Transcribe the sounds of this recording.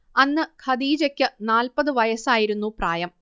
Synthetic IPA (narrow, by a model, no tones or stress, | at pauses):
ɐnːɨkʰɐd̪iːd͡ʑɐkʲːɨnaːlpɐðɨʋɐjɐsaːjiɾunːupraːjɐm